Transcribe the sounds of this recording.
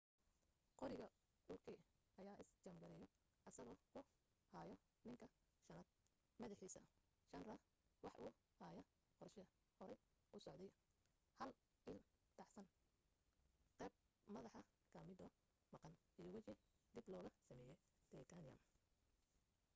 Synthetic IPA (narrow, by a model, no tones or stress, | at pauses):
qɔɾɪɣɐ | uːkʰɛʔɐjaːʔɪst͡ʃɐmɡɐɾɛjɔ | ʔɐsɐɣɔːkʰʊ | haːjɔ | nɪŋkʰɐ | ʃɐnɐːd̪̚ | mɐðɐħiːsɐ̰ | ʃɐnrɐ | wɑħʔuː | haːjɐ | qɔrʃɐɐ | hɔɾɛj | ʔʊsɔʕd̪ɛj | hɐl | ɪlt̪ʰɑħsɐn | qɛːb̚ | mɐðɑħɐ | kʰɐmɪd̪ɔ | mɑqɑnʔijɔwɑt͡ʃɪd̪iblɔːɣɐsɐmɛːjɛj | d̪̥ɛjt̪ʰɐnɪɐ̰m